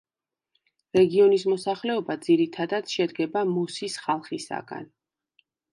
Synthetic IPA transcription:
ɾɛɡiɔnis̬mɔsaχlɛɔbad̪ziɾit̪ʰad̪ad̪̥ʃɛd̪ɡɛbamɔsisχalˠχisa̰ɡa̰n

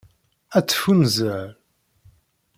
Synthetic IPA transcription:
æt͡sːfunzəʕ

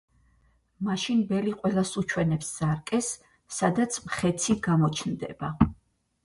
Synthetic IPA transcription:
maʃinbɛliqʼwɛlˠasut͡ʃʰwɛnɛpsz̥aɾkʼɛsː | ad̪at̪sʰmχɛt̪sʰiɡamɔt͡ʃʰnd̪ɛ̰ba

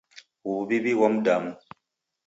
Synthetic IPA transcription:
wubibiwɔmdam

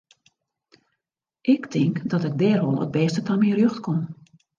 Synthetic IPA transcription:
ʔɪktʰɪŋkdɔtɪɡ̚dɛːrolˠə̰t̚bɛːstətʰamirjøxtkon

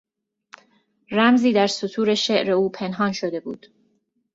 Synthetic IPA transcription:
ræmziːd̪æɾsot̪ʰuːɾe̞ʃeʔɾe̞uːpʰe̞nɦɒːnʃod̪e̞buːd̪̥

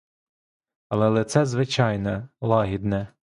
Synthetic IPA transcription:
ɐlˠɛlˠɛt̪sɛzʋɪt͡ʃɑjnɛlˠɑɦʲid̪nɛ

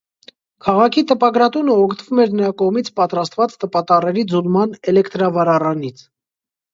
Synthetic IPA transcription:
kʰɑʁɑkʰit̪əpɑɡɾɑt̪unəɔkʰt̪əvumɛɾnəɾɑkɔʁmit͡sʰpɑt̪ɾɑst̪vɑt͡st̪əpɑt̪ɑrɛɾid͡zulmɑnɛlɛkt̪ɾɑvɑɾɑrɑnit͡sʰ

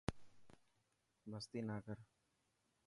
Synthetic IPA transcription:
bʱəst̪iːnaːkəɾ

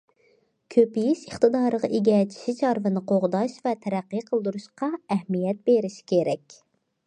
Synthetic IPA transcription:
kʲʰøpijiʃəχt̪ɨd̪ɑːɾəʁɑʔeɡʲɛt͡ʃʰi̥ʃit͡ʃʰɑɾvɨnɨqʰoʁd̪ɑʃvɛt̪ʰɛɾæqːɨjqʰəlˠd̪uɾuʃqɑɛhmijɛt̪̚beɾɪʃi̥kʲʰeɾɛkʲ

